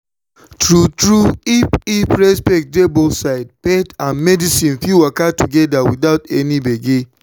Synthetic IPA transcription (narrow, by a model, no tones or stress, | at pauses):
tɹutɹuipipɹɛspɛk̚debosaɪd̚pɛtãnmɛdisĩnfuwakatuɡɛdawiθaʊtɛnibeɡe